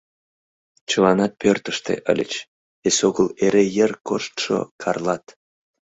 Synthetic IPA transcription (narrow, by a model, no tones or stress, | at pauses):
t͡ɕəlɑnɑt̪̚pørt̪əʃt̪ḛʔə̰lʲə̰t͡ɕ | esoɣəleɾejərkoʃt̪ʃo̰kʰɑrlɑt̪